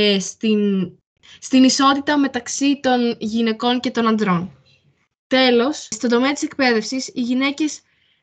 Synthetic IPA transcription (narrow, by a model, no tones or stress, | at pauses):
st̪in | st̪iniso̞t̪it̪ɐme̞t̪ɐksit̪o̞nʝine̞ko̞nce̞t̪o̞nɐnd̪ɾo̞n | t̪e̞lo̞sst̪o̞nd̪o̞meɐt̪i̥se̞k̚pe̞ðe̞fsisiʝine̞ce̞s